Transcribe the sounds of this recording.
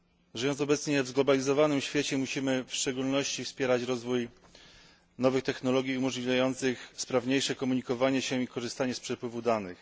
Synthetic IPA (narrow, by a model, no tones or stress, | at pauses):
ʐɘjɔnt̪ɔbɛt̪sɲɛvzɡlɔbalʲizɔvanɘmɕfʲjet͡ɕɛmuɕimɘfʂt͡ʂɛɡulnɔɕt͡ɕifspʲjɛɾat͡ɕɾɔzvuj | nɔvɘxt̪ɛxnɔlɔɡʲjiumɔʐlʲivʲjajɔnt̪sɘxspɾavɲejʂɛkɔmuɲikɔvaɲɛɕɛ̃ikɔʐɘst̪aɲɛspʂɛpwɘvud̪anɘ̰x